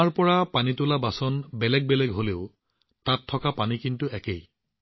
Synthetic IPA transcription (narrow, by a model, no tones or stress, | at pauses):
aɹpɔɹapanitʊlabasɔnbɛlɛɡ̚bɛlɛɡɦoleʊ | tatʰːɔkapanikintuɛkej